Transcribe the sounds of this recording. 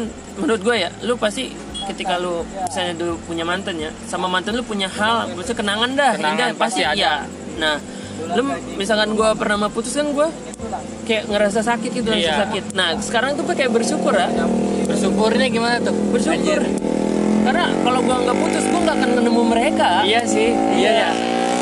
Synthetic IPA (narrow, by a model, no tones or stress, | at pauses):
n | mənuʊt̪̚ɡuajalʊpast̪i | kət̪ikalubisalɲadupuɲamant̪ənjasamamant̪ənlʊpuɲahallusakənaŋandahiŋɡaast̪ija | nah | lʊmis̬alkanɡuapərnamaput̪ʊskanɡua | kajaʔŋəɾas̬asakɪt̪̚ɡit̪̬uɾasasakɪt̪̚nahsə̥kaɾaŋt̪̬upakajaʔbərʃukʊrabərsukʊrɲaɡimanat̪ubərsukaɲd͡ʒʊr | karnakaloɡuaŋɡaput̪ʊsɡuaŋɡaːkanmənəmuməɾekaijasɪh | jaja